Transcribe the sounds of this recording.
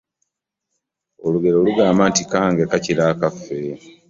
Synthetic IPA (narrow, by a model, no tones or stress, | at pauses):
o̞luɡe̞ɾo̞ːluɡaːmaːntikaːŋɡekaciɾaːkafːe̞